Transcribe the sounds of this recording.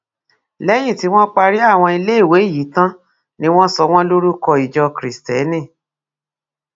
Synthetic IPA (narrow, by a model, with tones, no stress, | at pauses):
lɛ˦j̃ĩ˦˨ti˨˦w̃ɔ̃˦k͡pa˧ɾi˦a˦˨w̃ɔ̃˧i˧le˦˨we˨˦˨ji˨˦tã˦ | nĩ˦w̃ɔ̃˦sɔ˧w̃ɔ̃˦lo˦ɾu˦kɔ˧i˨d͡ʒɔ˧kɾi˨stɛ˨˦nĩ˦˨